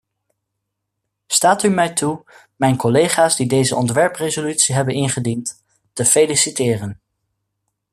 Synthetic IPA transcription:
staːtymɛjtʰu | mɛjnkɔlejχaːzdidejzəʔɔntʋɛɹprezolytsiɦɛbənɪnχədint | təfelisitɪːrən

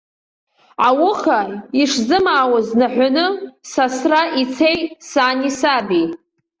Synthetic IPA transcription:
awʊχaiʂzɨmaːwaznaħᶣʷanɨsasraʔit͡sʰejsaːnisabi

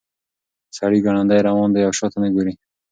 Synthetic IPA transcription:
saɽiɡaɳ̃and̪ajɾawɔnd̪ajawʃɔt̪ameɡuɾi

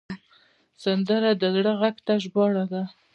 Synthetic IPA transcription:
sand̪əɾad̪əzɽəɣaɡt̪aʒbɑɽad̪a

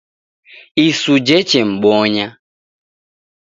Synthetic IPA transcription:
isud͡ʒɛt͡ʃɛm̩ɓɔɲa

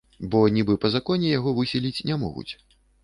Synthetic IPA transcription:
bɔnʲibɨpɐzakɔnʲɛjaɣɔvɨsʲilʲit͡sʲnʲɛmɔ̰ɣṵt͡sʲ

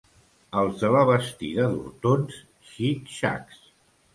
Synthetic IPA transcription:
əlˠzðələβəst̪ḭðəðṵɾt̪ons | ʃit̪ʃa̰ks

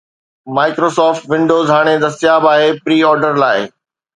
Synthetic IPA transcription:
maːɪkɾoːsɔːfʈʋɪ̃ɳɖoːzɦaːɽ̃ed̪ɐsɪjaːbaːɦepɾiːɔːɾɖəɾlaːɪ

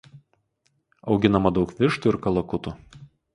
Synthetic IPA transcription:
ɒʊɡʲɪn̪ɐmɐd̪ɒʊkʋʲɪʃt̪uːɪɾkɐlˠɐkʊt̪u

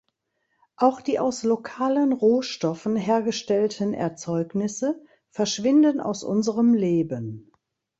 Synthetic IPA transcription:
ʔaʊxd̥iːʔaʊslokʰaːlənʁoːʃtɔfn̩ɦeːɐɡəʃtɛltʰənʔɛ̰ɐt͡sɔʏknɪsə | fɛɐʃv̥ɪndəna̰ʊsʔʊ̰nzəʁəmleːbən

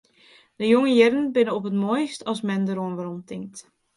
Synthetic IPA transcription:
dəjoŋəjɪɾənbɪnəɔpətmoːjstɑsmɛndəɾoənʋaɾɔmtʰɪŋk̚t

